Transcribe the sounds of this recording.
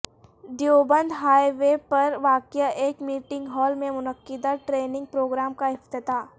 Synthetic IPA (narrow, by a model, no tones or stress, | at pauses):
ɖijoːbə̃nd̪ɦaːjʋepɐɾʋaːkjaʔeːkmiːʈɪ̃ŋɡɦɔːlmẽmʊnəqːɪd̪aʈɾeːnɪ̃ŋɡ̚pɾoːɡɾaːmkaɪft̪ɪt̪aː